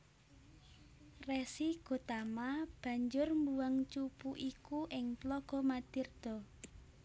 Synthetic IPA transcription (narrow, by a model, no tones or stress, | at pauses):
rɛsiɡ̥o̤t̪amab̥ä̤ɲd͡ʒʊrmbuwaŋt͡ʃupuʔikuʔɪŋplɔɡ̥ɔmad̪̥ird̪̥ɔ̤